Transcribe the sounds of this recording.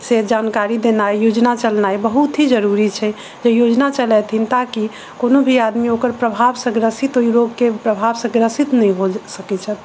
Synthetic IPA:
sed͡ʒankaɾid̪enajjod͡ʒnat͡ʃəlnajbəɦut̪ɦid͡ʒəɾuɾit͡ʃʰɛ | d͡ʒejod͡ʒnat͡ʃəlɛt̪ʰint̪aki | konobʱiad̪miokəɾpɾəbʱabsə̃ɡɾəsit̪oiɾoɡkepɾəbʱabsə̃ɡɾəsit̪nɛjɦosəkɛt͡ʃʰət̪

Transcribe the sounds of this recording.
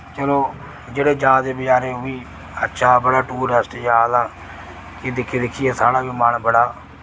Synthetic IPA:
t͡ʃəloː | d͡ʒeːɽeːd͡ʒãːd̪eːbɪt͡ʃaːɾeːɦoiː | ətːʃʰaːbəɽaːʈuːɾəsʈjaːd̪aː | kɪd̪ɪkʰːiːd̪ɪkʰɪːjeːsaːɽaːbimaːnbəɽaː

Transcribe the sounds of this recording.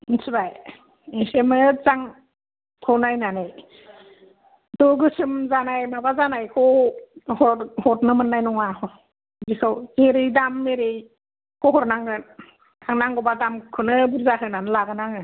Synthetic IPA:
sʰɯbaj | esemɯzaŋ | kʰawnajnanaj | dɔɡɯsɯmzanajmabazanajkʰɔhɔhɔtnɯmɯnːajnɔŋahɔ | bikʰɯweɾijdamːeɾej | kʰɔɦɔɾnaŋɾɯn | kʰaŋnaŋɡɔbadamkʰɯnɯbuɾzaɦɯnanɯlaɡɯnaŋɯ

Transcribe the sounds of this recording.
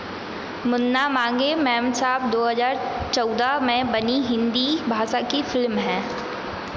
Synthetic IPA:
mʊnːamãːŋɡemɛ̃ːmsaːbd̪oːɦəzaːɾt͡ʃɔːd̪amẽbɐniɦɪ̃nd̪ibʱaːʃakifɪlmɦɛ̃ː

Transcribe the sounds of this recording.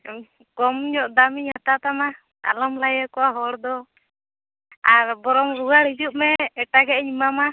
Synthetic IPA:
kɔmɲɔʔd̪amiɲat̪at̪ama | a̰lɔmlajakɔwaɦɔɽd̪ɔ | aɾbɔɾɔmɾuɡaɽid͡ʒuʔ̚mɛːʈaɡɛʔɲimama

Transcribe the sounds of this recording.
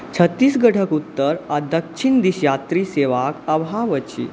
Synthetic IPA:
t͡ɕʰət̪ːiːsɡəʈʰəkut̪ːəɾad̪əkʂind̪iɕjat̪ɾiːseʋakəʋɦaʋət͡ɕḭ

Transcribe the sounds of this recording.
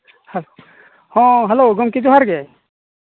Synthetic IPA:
hɛlo | hɔ̃ɦɛloɡɔmkid͡ʒuɦaɾɡɛ

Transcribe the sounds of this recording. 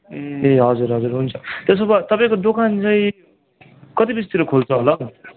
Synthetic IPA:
eɦʌd͡zuɾɦʌd͡zuɾɦunt͡sʰʌt̪es̬ʌbat̪ʌpaĩkod̪okʰant͡saĩ | kʌt̪ibis̬t̪iɾokʰolt͡sʰʌɦolʌ

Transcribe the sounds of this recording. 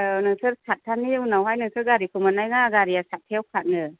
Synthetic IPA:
nɯŋsɯɾsat̚ʰːanːiunawɦajnɯŋsɯɾɡaɾikʰɯmanajŋaɡaɾiasat̚tʰeawkʰat̚nɯ

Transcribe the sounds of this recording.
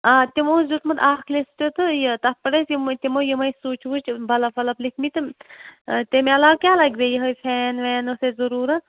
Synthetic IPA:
aːt̪imoːzut̪mɐt̪aːkʰlest̪ot̪ɨjt̪ɐpɐɽesjmt̪ʲimoːjəmɐjsuːt͡ʃʰʋut͡ʃʰbɐlɐfʰɐlɐblikʰmit̪ɨ | t̪emeɐlaːwkʲaːlɐɡbejəɦɐjpʰɛːnʋɛːnosezɐɾuːɾɐ

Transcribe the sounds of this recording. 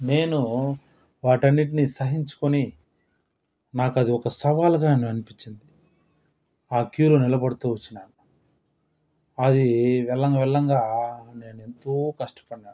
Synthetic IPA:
ne̞ːnu | ʋaːʈɐnːiʈinisɐɦiɲt͡ʃu̥koni | naːkɐd̪iɔkɐsɐʋaːlɡaːnɐnɐɐnipiɲt͡ʃːind̪i | aːkjuːlonilɐbɐɽut̪uːut͡ʃːinaːnu | ɐd̪iʋɛlːɐŋɡɐʋɛɭːɐŋɡaːne̞ːnue̞nt̪oːkɐʂʈɐ̥pɐɽinaːnu

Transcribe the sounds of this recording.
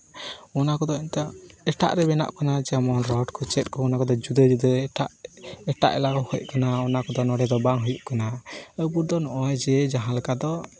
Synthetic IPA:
ɔnakɔd̪ɔɛnt̪ɔɛʈa̰ʔɾɛbɛna̰ʔkanad͡ʒɛamɔnɾɔʈkʰɔt͡ʃɛt̪̚ˀkɔːnakɔd̪ɔd͡ʒud̪əd͡ʒud̪əʈaʔɛʈa̰ʔɛ̰lakɔhɔjkanaɔnakɔd̪ɔnɔɽɛd̪ɔbaŋɦujuʔkanaəwbuɾd̪ɔnɔʔɔjd͡ʒɛd͡ʒaɦãlɛkad̪ɔ

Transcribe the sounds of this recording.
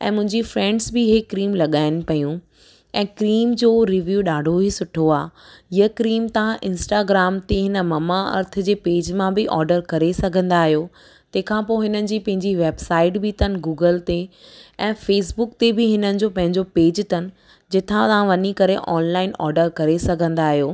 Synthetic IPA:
ɛ̰̃ːmʊ̃ɦɪ̃ɲd͡ʑifɾɛ̃ːɳɖsbɪɦekɾiːmlɐɠaːɪnpɐjũ | ɛ̃ːkɾiːmd͡ʑoːɾiʋjuːɗaːɖʱoɦisʊʈʰoaːjəkɾiːmt̪ɐãʔɪ̃nsʈaːɡɾaːmt̪eɦɪnə̆mɐmaɐ̰ɾt̪ʰə̆d͡ʑeːpeːd͡ʑmãbɪʔɔːɾɖəɾkɐɾesɐɡʱə̃nd̪aːɦijo | t̪ɐ̃ɦɪ̃kʰãpoːɦɪnənɪ̆d͡ʑiːpɐ̃ɦɪ̃ɲd͡ʑiʋeːbsaːɪʈbʱɪt̪ɐnɪ̆ɡuːɡəlt̪eɛ̃ːfeːs̬bʊkt̪ebɪɦɪnənɪ̆d͡ʑoːpɐ̃ɦɪ̃ɲd͡ʑopeːd͡ʑt̪ɐnɪ̆ | d͡ʑɪt̪ʰãt̪ɐʋãʋɐnikɐɾeʔɔːnlaːɪnɔ̰ːɾɖəɾkɐɾesɐɡʱə̃nd̪aːɦijoː

